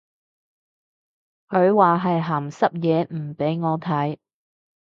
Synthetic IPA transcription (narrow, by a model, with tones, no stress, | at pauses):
kʰɵ˨˧ɥwaː˨ɦɐ˨jɦaː˨˩msɐ˥p̚jɛː˨˧m̩˨˩pe˨˥jŋɔː˨˧t̪ʰɐ˨˥j